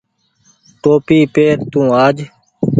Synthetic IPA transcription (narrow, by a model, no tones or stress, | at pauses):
ʈoːpiːpeːɾt̪ũːaːd͡ʒ